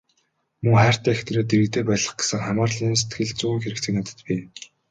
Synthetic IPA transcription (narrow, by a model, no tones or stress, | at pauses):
mɵŋχæːr̥t̪æːxt̪eɾeːt̪eɾɘ̆kt̪eːpæjɮə̆χɡe̥sɘ̆ŋχamaːrɮiːnse̥t̪ɡɘ̆ɮt͡suːɘ̆ŋxeɾɘ̆kt͡sɘ̆knat̪ə̥̆t̪pʲiː